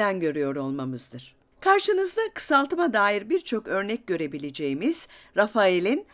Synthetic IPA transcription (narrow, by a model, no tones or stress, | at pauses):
ænɟø̞ɾyjo̞ɾo̞lˠmamɯzd̪ɯɾ̥ | kʰaɾʃɯnɯzd̪akʰɯ̥salˠt̪ɯmad̪aːjiɾbiɾt͡ʃʰo̞kø̞ɾnɛc̚ɟø̞ɾe̞bilʲed͡ʒe̞jimiz̥ɾafaelʲin